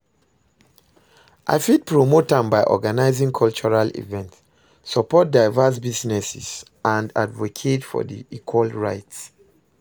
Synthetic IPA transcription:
ʔa̰ɪfid̚pɹomotãmbaɪʔɔ̰ɡanaɪzĩŋkʰɔlt͡ʃɔɹalḭvɛ̃nt | sɔpɔt̚daɪvas̬biznɛsḭs | ãnda̰dvokʰetfɔ̰dḭʔikʰwalɹaɪts

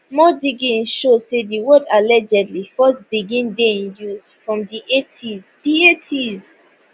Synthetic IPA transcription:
mɔdiɡĩnʃosediwɔdalɛd͡ʒɛdlifɔsbiɡĩndeĩnjuz̥fɹɔ̃mdiʔetʰizd̥ietʰiz

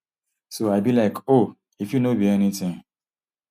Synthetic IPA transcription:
soaɪbilaɪko | ifjunobiɛnitɪ̃ŋ

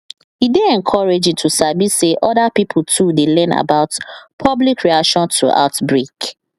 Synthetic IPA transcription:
hideɛ̃ŋkʰɔɹed͡ʒtʰusabiseʔɔdapipʰtʰudelɛ̃na̰baʊtpʰɔblikɹiakʃɔ̃ntʰuʔa̰ʊtbɹek

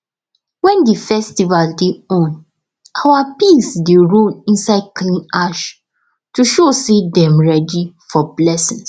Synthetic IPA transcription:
wɛ̃ndifɛstivaldeɔ̃n | awapisdeɹõnĩnsaɪd̚klĩnaʃ | tuʃosedɛ̃mɹɛdifɔblɛsĩns

